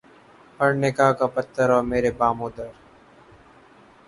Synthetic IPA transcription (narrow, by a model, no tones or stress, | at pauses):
pɐɾnɪkaːkapɐt̪ʰːəɾɔːɾmeːɾebaːmoːd̪əɾ